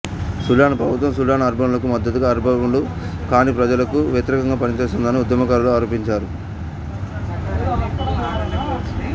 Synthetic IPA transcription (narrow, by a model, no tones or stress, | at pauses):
sulaːnɐpɾɐbʱut̪ʋɐmsulaːnɐɐɾbʱɐmulɐkumɐd̪ːɐt̪uɡaːɾibʱɐʋɐmlu | kaːniːpɾɐd͡ʒɐlɐkuʋjɐt̪iɾɛkɐŋɡaːpɐnit͡ʃeːsund̪ɐniud̪jɐmɐkaɾuluaːɾoːpiɲt͡ʃaːɾu